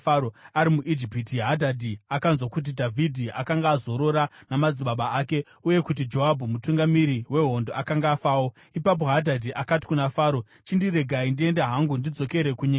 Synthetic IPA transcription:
aoaɾimuʔid͡ʒipitiɦadʱadʱiakanzwakut̬idʱavʱidʱiʔakaŋɡaːzo̞ɾo̞ɾanamad͡ziɓaɓaake̞ | uje̞kut̬id͡ʒo̞ɦabʱumutuŋɡamiɾiwe̞ɦo̞ndoakaŋɡaːfaːwo̞ | ipap̬o̞ɦadʱadʱiʔakati̥kunafaːɾo̞ | t͡ʃindiɾe̞ɡʱaindie̞ndaɦaŋɡundid͡zo̞ke̞ɾe̞kuɲe

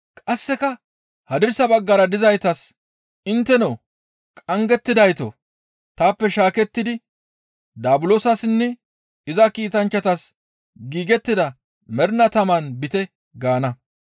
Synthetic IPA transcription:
kʼɐsːɛkɐ | hɐd̪ɪɾsɐbɐɡːɐɾɐd̪ɪzɐjt̪ɐs | ɪnt̪ːɛnoː | kʼɐŋɡɛt̪ːɪd̪ɐjt̪o̰ | t̪aːpːɛʃaːkɛt̪ːɪd̪ɪ | d̪aːbʊloːsɐsnːɛ | ɪzɐkiːt̪ɐnt͡ʃːɐt̪ɐs | ɡiːɡɛt̪ːɪd̪ɐ | mɛɾnɐt̪ɐmanbɪt̪ɛ | ɡaːnɐ

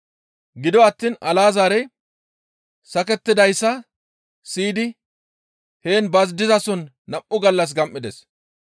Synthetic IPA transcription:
ɡɪd̪ɔɐt̪ːiːnɐlaːzaːɾɛj | sɐkɛt̪ːɪd̪ɐjsːɐ | siːd̪ɪ | he̞ːnbɐzd̪ɪzɐsɔnː | ɐmʔːʊɡɐlːɐs̬ɡɐmʔːɪd̪ɛs

